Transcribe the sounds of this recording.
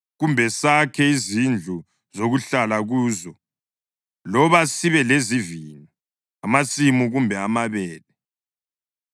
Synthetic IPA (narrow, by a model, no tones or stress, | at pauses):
ɣumbʱɛsakʰɛizind͡ɮʱu | zoɣuɬalaɣuːzɔ | lɔβasiβɛlezivini | amasimuɣumbʱɛamaβɛːlɛ